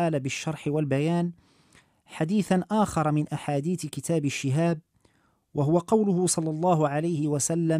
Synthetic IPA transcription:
aːlaːbɪʃːɑɾˤħɪwalbajaːn | ħad̪iːθanʔaːxɑɾˤɑmɪnʔaħaːd̪iːθkɪt̪ʰaːbaʃːɪɦaːb̚ | wʔaɦʊwaqɑwlʊhʊsˤɑlːɑlˤːɑːɦʊʕalajhɪwasalːa

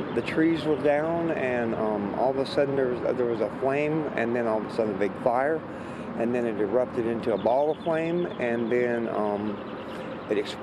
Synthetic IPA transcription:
ðɨtʰɹ̥izwə˞dãʊ̃nɨ̃nʌ̃mɔ̰lˠðəsʌdⁿn̩ðə˞wzðə˞wʌzəflẽɪ̃mɨ̰̃nðɨ̃nɔlˠðəsʌdⁿn̩bɪɡ̥faɪə˞ | ʔɨ̃nðɨ̃nɨɨɹʌp̚tɨɾɪ̃ntʉəbɔlˠʌ̥flẽɪ̃mɨ̃nðɨ̃nʌ̃m | ɨɾɨks

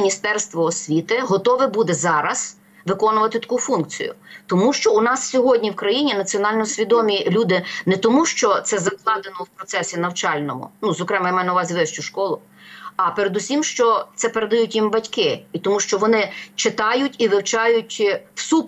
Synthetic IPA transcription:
nʲist̪ɛrst̪ʋɔːsʲʋʲit̪ɪɦɔt̪ɔʋɪbud̪ɛzɑɾɐs | ʋɪkɔnʊʋɐt̪ɪt̪ɐ̥kufunk̚t͡sʲḭjʊ̰t̪ɔmuʃt͡ʃɔunɑssʲɔɦɔdʲnʲiwkɾɐjinʲinɐt͡sʲiɔnɑlʲnɔsʲʋʲid̪ɔmʲilʲud̪ɪnɛt̪ɔmuʃt͡ʃɔt̪sɛzɐklˠɑd̪enɔwpɾɔtsɛsʲinɐwt͡ʃɑlʲnɔmʊ̰nuzɔkɾɛmɛjmɛjnɐwʋɑzʲiʋɛʃt͡ʃʊʃkɔlˠʊ | ɐpeɾed̪usʲimʃt͡ʃɔt̪sɛpeɾed̪ɐjutʲjimbɐtʲkɪit̪ɔmuʃt͡ʃɔʋɔnɪt͡ʃɪt̪ɑjʊtʲiʋɪwt͡ʃɑjʊtʲwsup

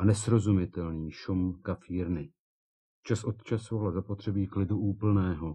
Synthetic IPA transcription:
anɛsɾo̞zumɪt̪ɛlniːʃomkafiːɾnɪ | t͡ʃasʔo̞t̪t͡ʃasovalzapo̞t̪r̥ɛbiːklɪduʔuːpl̩nɛːɦo

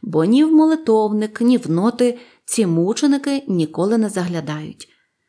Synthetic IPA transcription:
bɔnʲiwmɔlˠɪt̪ɔwnɪknʲiwnɔt̪ɪ | t͡sʲimut͡ʃenɪkɪnʲikɔlˠɪnɛzɐɦlʲɐd̪ɑjʊ̰tʲ

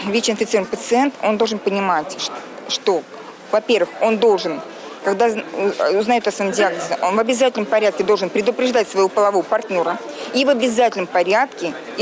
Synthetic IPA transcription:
vʲet͡ɕɪnfʲɪt̪sɨɾvənɪpət̪sɨent̪o̞nd̪olˠʐɨnpənʲɪmatʲʂt̪o̞ | vɐpʲe̞rvɨxo̞nd̪o̞lˠʐɨn | kaɡd̪aʊznɐjot̪ɐsɐmɨmdʲɪaɡ̚nəzʲəʔonvɐbʲɪzatʲɪlʲnəmpɐɾʲat̪̚kʲɪd̪o̞lˠʐɨnpɾʲɪd̪ʊpɾʲɪʐd̪atʲsvəjvo̞pəlˠɐvo̞vəpɐrtʲnʲo̞ɾəivɐbʲɪzatʲɪlʲnəmpɐɾʲat̪kʲɪ

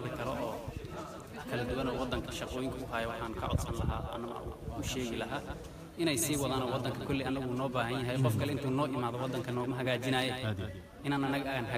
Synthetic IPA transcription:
d̪ɐkʰɐlɔʔɔː | kʰɐlɐd̪ʊwɐnɔːwɑd̪ːɐŋkʰɐʃɑqɔːjɪŋkʰɐʊɦaːjɛwɑħɑːŋkʰɐ̰ʕɔ̰d̪sɐnlɐɦa̰ːɐ̰nɐmɐ̰ṵʊʃɛːɣɪlɐɦaː | ʔɪnɛjsiːwɑðaːnɔwɑd̪ːɐŋkʰɐkʰɔlːiɐnːɐɣuːnɔːbaːɦɐnjɐɦɛjqɔfkʰɐlɛɪnt̪ʰuːnɔːʔɪmaːðɔwɑd̪ːɐŋkʰɐnɔːmɐɦɐɣaːt͡ʃɪnaːjɛ | ʔɪnaːnɐnɐɣɐʔːɣanɦɐ

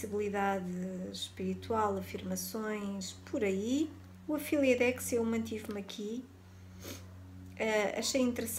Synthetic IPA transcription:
iβlˠiðaðɨʃpiɾit̪walˠɐfiɾmɐsõj̃ʃpʰɔɾɐi | uɐfilˠiɐðɛkseumɐ̃nt̪̬ivmɐkʰi | ɛɐ̰ʃejĩnt̪ɨɾs

